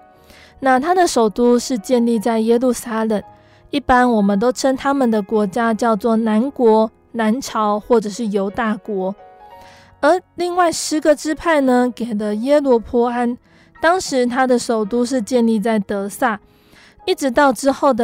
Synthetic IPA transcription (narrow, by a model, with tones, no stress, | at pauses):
na˥˨t̪ʰa˥d̪ə˨ʂo˨˩ʊt̪u˥ʂɻ̩˥˧t͡ɕjɛ˥˧nli˥˧t͡sa˥˩ɪjɛ˥lu˥˩sa˥lə˨˩ŋ | i˥˩pa˥nwɔ˨˩mə˨˦nt̪o˥ʊʈ͡ʂʰə˥ŋt̪ʰa˥mə˨nd̪ə˩kwɔ˧˥t͡ɕja˥t͡ɕjɑ˥˧ʊt͡swɔ˥˩na˧˥nkwɔ˧˥ | na˧˥nʈ͡ʂʰɑ˧˥ʊxwɔ˥˩ʈ͡ʂɤ˨˩ʂɻ̩˥˩jo˧˥ʊt̪a˥˩kwɔ˧˥˦ | ə˞˧˥li˥˧ŋwa˥˩ɪʂɻ̩˧˥ɡə˨ʈ͡ʂɻ̩˥pʰa˥˩ɪnə˧ke˨˩ɪlə˦jɛ˥lwɔ˧˥pʰɔ˧˥a˥n | t̪ɑ˥ŋʂɻ̩˧˦t̪ʰa˥d̪ə˨ʂo˨˩ʊt̪u˥ʂ̬ɻ̩˥˧t͡ɕjɛ˥˧nli˥˧t͡sa˥˩ɪt̪ɤ˧˥sa˥˩ | i˥˩ʈ͡ʂɻ̩˧˥t̪ɑ˥˩ʊʈ͡ʂɻ̩˥xo˥˩ʊd̪ə˨